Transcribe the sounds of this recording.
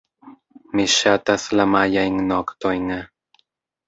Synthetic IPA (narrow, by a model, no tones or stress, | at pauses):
miʃat̪aslamajajŋnokt̪ojŋa